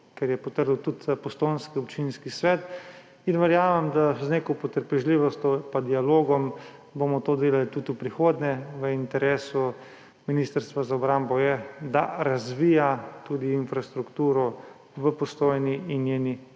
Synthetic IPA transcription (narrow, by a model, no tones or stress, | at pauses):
kɛɾjɛpɔt̪əɾd̪wt̪ut̪pɔst̪ojnskiɔpt͡ʃinskisʋɛːt̪ | inʋɛɾjaːʋɛmd̪azneːkɔpɔt̪əɾpɛʒliʋɔst̪ʲjɔpad̪ialoːɡɔm | bomɔt̪oːd̪eːlalit̪ut̪upɾixoːd̪ɲɛʋəint̪ɛɾeːsu | minist̪əɾst̪ʋazaɔbɾambɔjɛd̪aɾazʋiːjat̪ud̪iːnfɾast̪ɾukt̪uːɾɔ | ʋəpɔst̪oːjniinːjeːni